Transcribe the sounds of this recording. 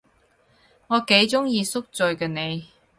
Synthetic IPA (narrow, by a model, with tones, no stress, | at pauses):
ŋɔː˨˧ke˨˥jt͡sʊ˥ŋjiː˧sʊ˥k̚t͡sɵ˨ɥkɛː˧ne˨˧j